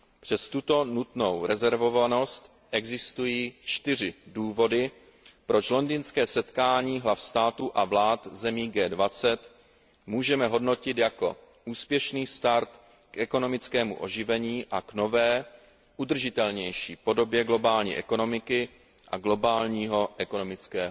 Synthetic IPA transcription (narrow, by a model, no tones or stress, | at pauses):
pr̝̥ɛst̪ut̪o̞nut̪no̞wɾɛzɛɾvo̞vano̞st̪ | ʔɛɡzɪst̪ujiːt͡ʃt̪ɪr̝ɪduːvo̞dɪ | pɾo̞t͡ʃlo̞ndiːnskɛːsɛt̪kaːɲiːɦlafst̪aːt̪uʔavlaːt̪zɛmiːɡɛːdvat͡sɛt̪ | muːʒɛmɛɦo̞dno̞cɪt̪jako̞̰ | ʔuːspjɛʃniːst̪aɾt̪ | kʔɛko̞no̞mɪt͡skɛːmṵʔo̞̰ʒɪvɛɲiːʔakno̞vɛː | ʔud̪r̩ʒɪt̪ɛlɲɛjʃiːpo̞do̞bjɛɡlo̞baːlɲḭːʔɛko̞no̞mɪkɪ | ʔa̰ɡlo̞baːlɲiːɦo̞ʔɛkono̞mɪt͡skɛːɦo